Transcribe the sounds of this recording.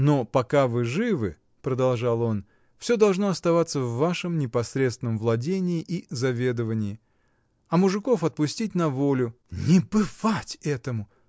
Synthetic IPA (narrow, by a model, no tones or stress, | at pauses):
nopɐkavɨʐɨvɨ̰ | pɾəd̪ɐlˠʐalˠo̞n | fsʲo̞d̪ɐlˠʐnoɐst̪ɐvat̪sːəvːaʂɨmnʲɪpɐsɾʲet̪st̪vɪnəmvlˠɐdʲenʲɪːʔizɐvʲe̞d̪əvənʲɪː | ɐmʊʐɨko̞fɐt̪̚pʊsʲtʲitʲnɐvo̞lʲʊ | nʲɪbɨvatʲɛt̪əmʊ